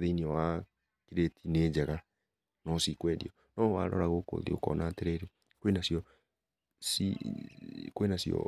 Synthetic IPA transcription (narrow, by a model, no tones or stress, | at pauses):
ðeiniɔwa | kiɾetʰineːd͡ʒɛɣa | nɔsikwɛdḭɔ | nɔwaɾɔ̰ɾaɣoko̰ðḭo̰kɔ̰nateɾeɾe | kwenasjɔ | si | kwenasjɔ̰